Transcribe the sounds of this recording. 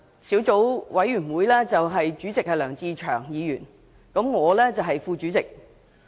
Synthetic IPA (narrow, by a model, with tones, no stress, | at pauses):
sʰiː˨˥wt͡so˨˥wwɐ˨˥jɥyː˨˩nwuː˨˧jlɛː˥t͡sɐ˨wɦɐ˨jt͡ʃyː˨˥t͡sɪ˨k̚hɐ˨jlœː˨˩ŋt͡siː˧t͡ʃʰœ̰ː˨˩ŋjiː˨˧jyː˨˩n | kɐ˨˥mŋɔː˨˧lɛː˥t͡sɐ˨wɦɐ˨jfuː˧t͡ʃyː˨˥t͡sɪ˨k̚